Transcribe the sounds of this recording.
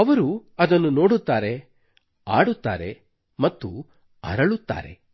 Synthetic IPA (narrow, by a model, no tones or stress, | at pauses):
ɐʋɐɾuɐd̪ɐnːuno̞ːɽut̪ːaːɾe | aːɽut̪ːaːɾḛ | mɐt̪ːu | ɐ̰ɾɐɭut̪ːa̰ːɾḛ